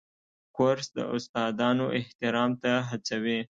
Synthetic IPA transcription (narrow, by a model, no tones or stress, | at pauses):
kʊɾsd̪ə̰ʔʊst̪ɑd̪ɑnoʔɪht̪ɪɾɑmt̪aɦat͡sawe